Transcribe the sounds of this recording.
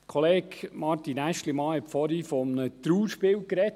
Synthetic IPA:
kʰoleːkmɑɾt̪inæʃtlimɑːhɛtfɔɾifɔmnət̪ɾuːɾʃpɪːlkɾɛt

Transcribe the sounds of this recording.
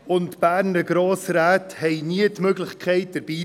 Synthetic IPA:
ʊntb̥æːɾnəɡ̥ɾoːsɾæːthɛɪniətmøɡlɪχkʰχɛɪt̚d̥əɾb̥iː

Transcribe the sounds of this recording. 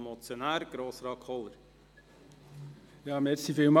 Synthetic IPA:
mɔt͡sjonæːɾɡ̥ɾoːsrɑːkʰɔləɾ | jɑːmɛrsifiːlmɑ

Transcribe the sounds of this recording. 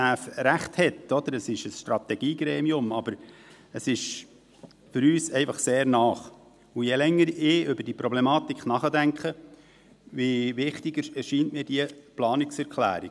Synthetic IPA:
æːfɾæχthɛt̪ɔd̪əɾəsɪʃəsʃtɾɑt̪ɛɡ̥iːɡɾɛːmiʊmɑb̥əɾ | əsɪʃ | fʏɾyːsɛɪfɑχseːɾnɑːχ | ujɛlɛŋːəɾɪʏbəɾd̥iəpɾɔblɛmɑːt̪ikχnɑχədæŋkχə | ʋiʋɪχt̪ɪɡ̥əɛʃiːntmiːd̥iəplɑːnɪksɛɾkʰlæ̰ːɾi

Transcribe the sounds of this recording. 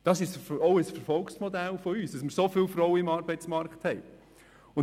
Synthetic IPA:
d̥ɑsɪʃɔʊəsfɛɾfɔlksmɔd̪ælfoyːsd̥ɑsmɪɾsofɪlfɾɔʊwəɪmɑːɾbɛɪt͡smɑɾkχthɛɪ | ʊn

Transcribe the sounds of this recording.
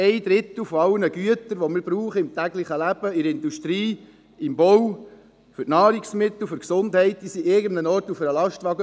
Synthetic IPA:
ɛɪd̥̪ɾɪt̪l̩fɔɑlnəɡyət̪əɾʋɔmɪɾbɾuːχəɪmt̪æɡlɪχəlæb̥əɪɾɪnduʃtɾiː | ɪmbɔw | fʏɾtnɑːɾiksmɪt̪l̩fʏɾksʊndhɛɪt̚d̪̥iːsiɪɡəndənɔɾtufəɾəlɑʃtʋɑɡə

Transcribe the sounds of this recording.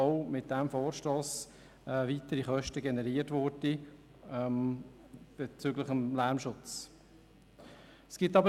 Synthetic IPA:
oʊmɪt̚d̥ɛmfoːɾʃtoːs | ɛvitəɾiχœʃtəɡɛnɛɾiːətʋʊɾdi | m | b̥ɛt͡syɡləχəmlæɾmʃʊt͡s | sɡ̥ɪtɑbə

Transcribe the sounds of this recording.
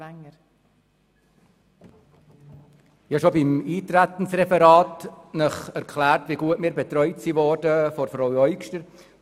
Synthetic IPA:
ŋːə | ɪhɑʃobimiːt̪ɾæt̪ənsrɛfɛɾɑːt̪nəχæɾkʰlæːrtʋiɡuətmiːɾbɛt̪ɾœʏtsiʋɔːɾdəfɔɾfɾowœʏkʃtəɾ

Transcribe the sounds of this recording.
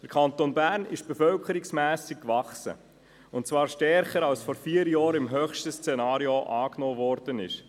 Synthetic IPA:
d̥əɾkʰɑnt̪onbæːɾnɪ̰ʃb̥ɛfœlkʰəɾiksmæːsikkvɑχsə̰ | ʊntt͡svɑːɾʃtɛɾχəɾɑlsfɔɾfiːəɾjɑːɾɪmɦœχʃtəst͡sɛnɑːɾioʔɑːknoːvɔːɾd̥ənɪ̰ʃ

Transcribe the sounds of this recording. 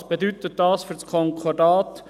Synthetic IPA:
sb̥ed̪yt̪ət̚dɑːsfyɾt͡skʰɔŋkʰɔdɑːt̪

